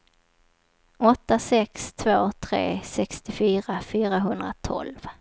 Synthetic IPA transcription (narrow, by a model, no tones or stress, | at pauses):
ɔt̪ːasɛkst̪ʰvoːt̪ʰɾḛːsɛkst̪ɪfyːɾafyːɾaɦɵnd̪ɾa̰t̪ʰɔ̰lv